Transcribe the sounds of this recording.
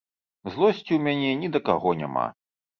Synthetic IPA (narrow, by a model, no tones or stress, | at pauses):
zlˠɔsʲt͡sʲiwmʲanʲɛnʲid̪ɐkaɣɔnʲa̰ma̰